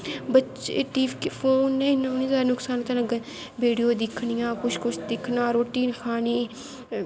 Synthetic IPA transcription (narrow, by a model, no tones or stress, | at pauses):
bət͡ʃeʈiːʋkpʰoːnːẽinaːniːzaːɾnʊksaːnt̪ənəɡ | biːɖijoːd̪ɪkʰnijãːkʊt͡ʃʰkʊt͡ʃʰd̪ɪkʰnaːɾoːʈiːnkʰaːniː